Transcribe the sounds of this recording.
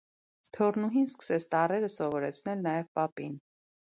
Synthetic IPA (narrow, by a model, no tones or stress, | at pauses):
t̪ʰɔrnuɦinskə̥sɛt͡sʰt̪ɑrɛɾəsɔvɔɾɛt͡sʰnɛlnɑjɛvpɑpin